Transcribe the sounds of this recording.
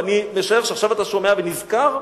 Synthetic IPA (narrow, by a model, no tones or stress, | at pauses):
anime̞ʃaeχʃeaχʃavat̪aʃo̞me̞avenizkaʁ